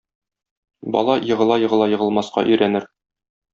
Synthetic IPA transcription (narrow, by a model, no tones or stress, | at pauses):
bɒ̰lˠɑjɤ̆ʁɤ̆lˠɑjɤ̆ʁɤ̆lˠɑjɤ̆ʁɤ̆lˠmɑsqɑ̰ʔɵ̆jɾænɘɾ